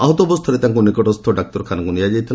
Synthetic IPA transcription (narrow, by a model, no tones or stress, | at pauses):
aɦɔt̪ɔbɔst̪ʰɔɾet̪aŋkunikɔʈɔst̪ʰɔɖak̚t̪ɔɾkʰanɔŋkunijad͡ʒajt̪ʰila